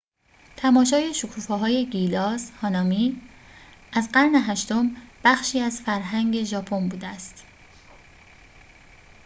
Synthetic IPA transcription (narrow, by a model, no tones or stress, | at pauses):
t̪ʰæmɒːʃɒːje̞ʃokʰuːfeɦɒːje̞ɡilɒːshɒːnɒːmiː | ʔæzɢæɾne̞ɦæʃt̪o̞mb̥æxʃiːæzfæɾɦæŋɡɟe̞ʒɒːpʰo̞nbuːd̪eæst̪